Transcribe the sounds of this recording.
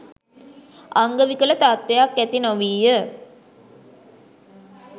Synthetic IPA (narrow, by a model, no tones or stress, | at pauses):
aŋɡəʋikələt̪at̪̚ʋejakːæt̪inoʋiːjə